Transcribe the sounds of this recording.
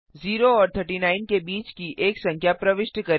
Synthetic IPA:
ziːɾoɔːɾt̪ʰəɾʈinaːɪnkebiːt͡ʃkiʔeːksɐ̃ŋkʰjapɾɐʋɪʃʈkɐɾ

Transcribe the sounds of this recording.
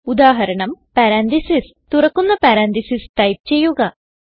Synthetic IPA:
ud̪aːɦɐɾɐɳɐmpaːɾaːnd̪isis | t̪uɾɐkːunːɐpaːɾaːnd̪isisʈɐjp̚t͡ɕejːuɡa

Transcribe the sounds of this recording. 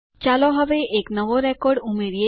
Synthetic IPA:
t͡ɕalɔɦɔbeʔeknɔʋoɾɛkɔɾɖumeɾie

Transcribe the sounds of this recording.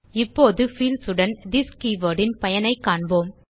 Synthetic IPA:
ɪpːoːðɯfiːlsɯɽɐnd̪ɪskiʋɐɖɪnpɐjɐnɐɪkːaːɳboːm

